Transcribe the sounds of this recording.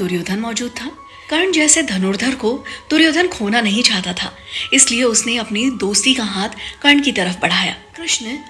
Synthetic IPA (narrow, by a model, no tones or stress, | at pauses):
d̪̥ʊɾjoːd̪ʱənmɔːd͡ʒuːd̪̚t̪ʰaː | kɐɾɳd͡ʒɛːsed̪ʱɐnʊɾd̪ʱəɾkod̪̥ʊɾjoːd̪ʱənkʰoːnanɐɦĩt͡ʃaːɦt̪at̪ʰa̰ː | ɪslieʊsneɐpnid̪oːst̪ikaɦaːt̪ʰkɐɾɳkit̪ɐɾəfbɐɽ̤aːja̰ːkɾɪʃn